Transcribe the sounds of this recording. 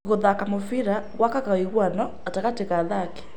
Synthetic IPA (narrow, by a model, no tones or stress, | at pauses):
ɣoðakamofiɾaɣwakaɣaiɣwanɔ | ataɣateɣaðakɛ̥